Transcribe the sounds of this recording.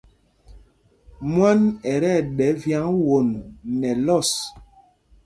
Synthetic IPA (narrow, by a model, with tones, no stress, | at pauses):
mwa˦nɛ˨ɾɛ˦˨ɗɛ˨˦vja˨˦ŋwo˨nːɛ˨lɔ˦˨s